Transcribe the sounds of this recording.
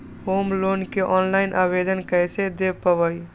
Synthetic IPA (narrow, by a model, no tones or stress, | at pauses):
hoːmloːnkeʔɔːnlaɪnʔabed̪ənkəjsed̪epəʋəi